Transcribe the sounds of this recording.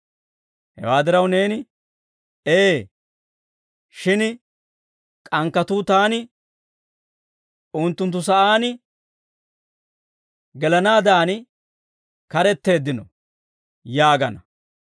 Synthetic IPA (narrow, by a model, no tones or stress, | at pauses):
hɛ̰waːd̪ɪɾɐwne̞ːnɪ | eː | ʃɪn | kʼɐŋkːɐt̪ʊt̪aːnɪ | ʊnt̪ːʊnt̪̬ːʊsɐʔaːnɪ | ɡɛlɐnaːd̪aːnɪ | kɐɾɛt̪ːe̞ːd̪ːɪnɔ̰ | jaːɡɐnɐ